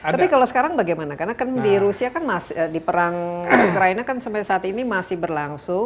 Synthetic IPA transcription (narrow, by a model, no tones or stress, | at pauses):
t̪apikalosə̥kaɾaŋbaɡajmanakarnakandiɾusiakanmasədipəɾaŋukɾainakansampasaːt̪inimasɪhbərlaŋsʊŋ